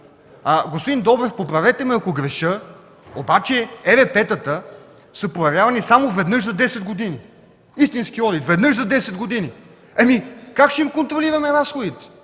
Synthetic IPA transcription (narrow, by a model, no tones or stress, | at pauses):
aɡospod̪ind̪ɔbɾɛfpopɾɐvɛt̪ɛmɛɐkoɡɾɛʃɤ | obat͡ʃɛɛɾɛpɛt̪ət̪ə | səpɾojɛvjavɐnisamovɛd̪nɤʃzɐd̪ɛsɛd̪ɡod̪ini | ist̪inskiɔd̪it̪vɛd̪nɤʃzɐd̪ɛsɛd̪ɡod̪ini | ɐmikakʃɛimkont̪ɾoliɾɐmɛɾasxod̪it̪ɛ̥